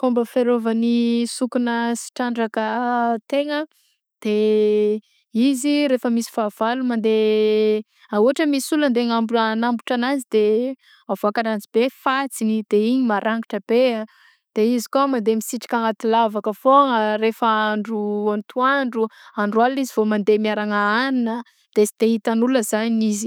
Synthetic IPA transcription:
kombəfeɾovanisukunəsi̥ʈ͡ʂaɳɖ͡ʐakət̪eŋə | d̪̥e | iziɾefəmisi̥faːv̥alumand̪e | auɦaʈ͡ʂəmisuland̪eŋambunambuʈ͡ʂanazid̪e | avoakaɾand͡zibefat͡sinid̪̥eiɲimaɾʔaŋɡiʈ͡ʂəbea | d̪̥eizikomand̪emisiʈ͡ʂi̥kaŋat̪ilavakəfoŋəɾefəaɳɖ͡ʐuant̪uaɳɖ͡ʐuaɳɖ͡ʐualizivomand̪emiaɾaŋəaninə | d̪̥esi̥t̪eɦit̪anuləzaɲizi

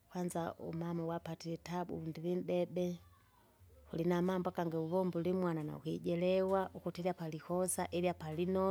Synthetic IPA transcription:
kwand͡ʒaṵmamɔwapatilɛtabṵundilinɗɛbɛ | hulinamambwakaŋɡauβɔmbulimwanana̰ṵkiɟɛlɛwaʔukutiliapalikɔsaʔiliapalinɔ

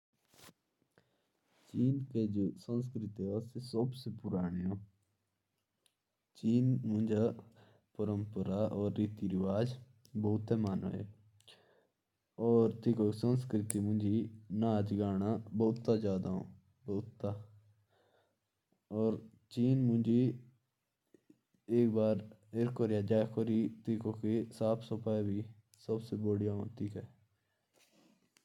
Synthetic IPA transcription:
t͡ʃiːnked͡ʒosə̃ns̬kɾɪt̪iɦoːsesəbsepʊɾaːɳijõː | t͡ʃiːnmʊ̃nd͡ʒa | pəɾəmpəɾaʔɔːɾːiːt̪iɾɪʋaːd͡ʒ | bːt̪ːemaːno̰ḛː | ɔːɾt̪ɪkoksənskɾɪt̪imʊ̃nd͡ʒiːnaːd͡ʒɡaːnaːboːt̪ːad͡ʒaːd̪aːɦõ̰ː | boːt̪ːaː | ɔːɾ | t͡ʃiːnmʊ̃nd͡ʒiː | eːkbaːɾɪɾkoːɾjaːd͡ʒaːekʰoːɾiːt̪ikoːkesaːpʰsopaːebʱiː | səbseːboːɽɪjaɦõːt̪iːkɛː

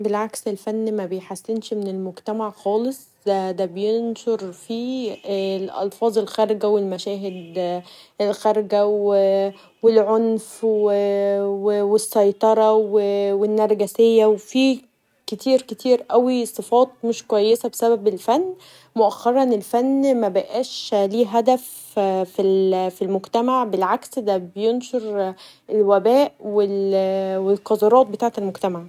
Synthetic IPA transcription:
belʕakselfænːmæbejħasːenʃmenelmoɡt̪æmaʕxɑːlesˤ | d̪æd̪æbejenʃoɾfi | lʔɑ̰lfɑːzˤelxæɾɡæwelmæʃæːɦed̪ | ʔelxæɾˤɡæwe | welʕonfwewewesˤːɑjt̪ˤɑɾˤɑwewenːɑɾˤɡæsejːæwefi | ket̪ʰiːɾket̪ʰiːɾʔæwisˤɨfɑːt̪̚ˤmeʃkowæjːesæbesæbæbelfænː | moʔæxːɑɾˤɑnelfænːmæbæʔæːʃliːɦæd̪æf | filfilmoɡt̪æmaʕbelʕaksd̪æbejonʃoɾ | elwæbæːʔwelwelqɑzɑɾˤɑːt̪̚bet̪aːʕt̪elmoɡt̪æmaʕ

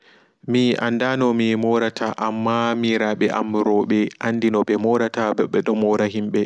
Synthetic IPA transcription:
miʔa̰ndanɔmimɔɾatʰaʔamːamiɾaɓɛʔa̰mɾɔɓɛʔanːdinɔɓɛmɔɾatabɛɓɛɗɔmɔɾaɦimɓɛ

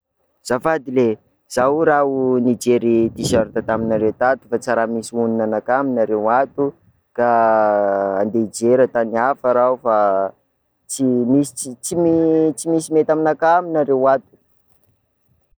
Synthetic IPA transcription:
z̥afad̪ile | z̥auɾaunid͡ʒeɾit̪isaɾit̪at̪aminaɾewt̪at̪u̥fat͡saɾamisiuninanakaminaɾewat̪u | ka | and̪eid͡ʒeɾət̪aniafaɾaufa | t͡simisi̥it͡simit͡simisimet̪aminakaminaɾewat̪u̥

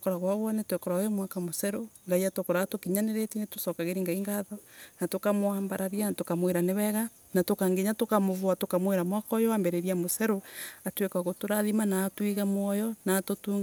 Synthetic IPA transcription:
kɔɾaɣwaβɔnetwekɔɾaojomwakamosɛɾoŋɡaiatokɔɾaatokiɲaneɾetineto̥sɔkaɣeɾiŋɡaiŋɡaðɔnatokamoaːmbaɾaɾjanatokamweɾaneβɛɣa | natokaŋɡeɲatokamoβwatokamweɾamwakɔjoambɛɾeɾiamosɛɾoatwekaɣotoɾaðimanaːtwiɣamwɔjɔnaːtotuŋɡ

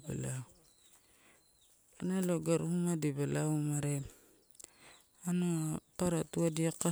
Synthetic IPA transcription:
ba̰la | analoɡaɾuumadibalawmaɾe | anopaɾatuadiaka

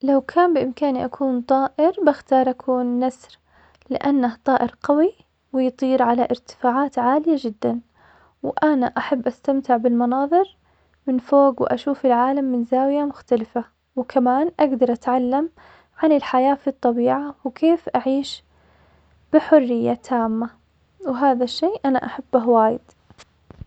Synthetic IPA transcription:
lawkʰaːnbɪʔɪmkaːniʔakʰuːnt̪ˤɑːʔɪɾbaxt̪ɑːɾˤʔakʰuːnːasɾ | lɪʔanːaht̪ˤɑːʔɪɾqɑwi | wɪjt̪ˤiːɾʕalaʔɪɾt̪ɪ̥faːʕaːt̪ʕaːlɪjad͡ʒɪd̪ːan | wʔanaʔaħabːʔast̪amt̪ɪʕbɪlmɑnɑːðˤɨɾ | mɪnfoːɡwɪʔaʃuːfɪlʕaːlamːɪnzaːwɪjamʊxt̪alɪfa | wkʰamaːnʔaɡd̪ɑɾˤʔat̪ʕalːam | ʕanɪlħajaːfit̪ˤːɑbiːʕawkʰeːfʔaʕiːʃ | b̥ɪħʊrːɪjːat̪ʰaːmːa | wɪɦaːðaʃːeːʔanaʔaħabːaɦwaːjɪd̪̥

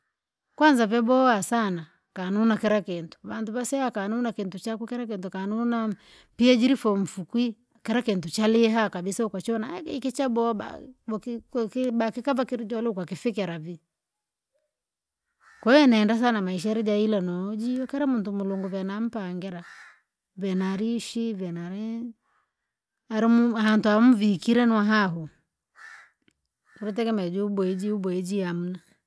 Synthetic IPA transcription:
kwanzavɛbɔasana | kanunakɛɾakintu̥βantuβasɛakanunakintut͡ʃakukɛɾak̬intukanuna | piad͡ʒiɾifɔɱ̩fukwi | kɛɾakintut͡ʃaliɦakabisaukwat͡ʃɔnakːkit͡ʃabɔba̰kkbakikavakiɾid͡ʒɔlɛukwakifikɛɾavi | kwɔɛnaɛndas̬anamaiʃ̬aɛɾid͡ʒailanɔd͡ʒiɔkɛɾɛmuntumuluŋɡɔvɛnam̩paŋɡɛɾa | vɛnaɾiʃivɛnaɾɛ | aɾimuhantuamuvikiɾɛnwaɦaɦu | ɾit̬ɛkɛmɛd͡ʒuubwɛd͡ʒiubid͡ʒiam̩na

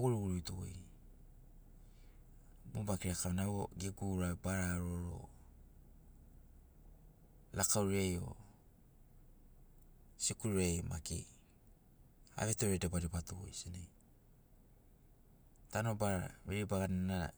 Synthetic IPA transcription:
ɡuɾuɡuɾujtoo̰j | mobakiɾakamnawoɡiɡuɾabaɾaɾoɾo̰ | lakawɾejo̰ | sikuɾɾejma̰kḛ | a̰βetoɾedebaɾipatoo̰jsinej | tanobaɾa̰ɾeɾibaɡanna̰

